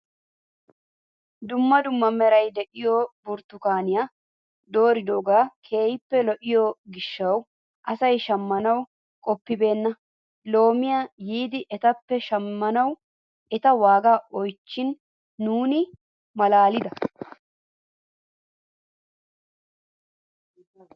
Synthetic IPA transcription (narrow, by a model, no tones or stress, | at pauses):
d̪ʊmːɐd̪ʊmːɐmɛɾɐjd̪ɛʔɪjɔbʊɾt̪ːʊkaːnɪja | d̪o̞ːɾɪd̪oɡaːkʰe̞ːjɪpːɛlɔʔɪjɔɡɪʃːɐw | ʔɐsɐjʃɐmːɐnɐw | kʼɔpːɪbe̞ːnːɐ | lo̞ːmɪjajiːd̪ɪʔɛt̪ɐpːɛʃɐmːɐnɐw | ɛt̪ɐwaːɡaːɔjt͡ʃːɪnː | uːnɪ | mɐlaːlɪd̪ɐ